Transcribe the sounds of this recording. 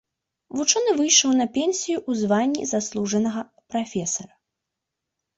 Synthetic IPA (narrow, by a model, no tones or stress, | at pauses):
vut͡ʂɔnɨvɨjʂɐwnɐpʲɛnʲsʲijuʔuzvanʲːḭzaslˠuʐɐnɐɣɐ | pɾafʲɛsɐɾɐ